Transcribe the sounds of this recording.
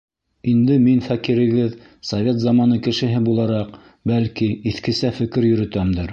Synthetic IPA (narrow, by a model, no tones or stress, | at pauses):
ind̪ɘminfækiɾɘ̆ɡɘð | sɐvʲet̪zɑmɑnɤkɘ̆ʃɘ̆ɦɘbulˠɑɾɑq | bælkiiθkɘ̆sæfɘ̆kɘɾjɵ̆ɾɵ̆t̪æmd̪ɘɾ